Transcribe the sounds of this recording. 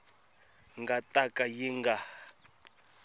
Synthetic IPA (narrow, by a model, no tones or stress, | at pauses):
ŋɡatʼakʼajiŋɡa